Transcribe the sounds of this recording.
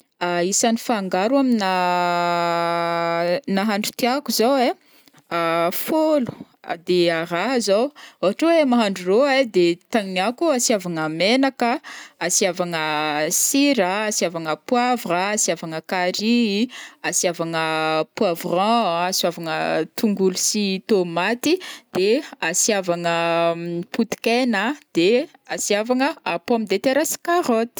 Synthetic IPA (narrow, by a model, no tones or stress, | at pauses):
aisanifaːŋɡaɾamina | naɦaɳɖ͡ʐu̥t̪iakuzawe | afolu̥ | d̪eaɾaɦəzowoaʈ͡ʂawemaɦaɳɖ͡ʐuroed̪et̪aŋiniakuasiavaŋamenakəasiavaŋəsiɾaasiavaŋəpwavaːsiavaŋəkaɾiasiavaŋəpwavrɑ̃asavaŋət̪uŋɡulusit̪omat̪id̪̥easiavaŋə | put̪i̥kenəd̪̥easiavaŋəapoamid̪et̪eɾasi̥kaɾot̪i̥